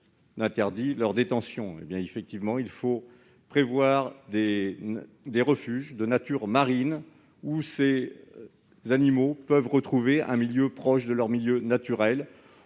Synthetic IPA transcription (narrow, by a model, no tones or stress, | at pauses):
d̪ɛ̃t̪ɛʁd̪ilœʁd̪et̪ɑ̃sjɔ̃ḛbjɛ̃efɛk̚t̪ivmɑ̃ilfo | pχevwaʁd̪e | d̪eʁəfyʒd̪ənat̪yʁmaʁin | use | zanimopœvʁət̪χuveʔɛ̰̃miljøpχɔʃd̪əlœʁmiljønat̪yʁɛl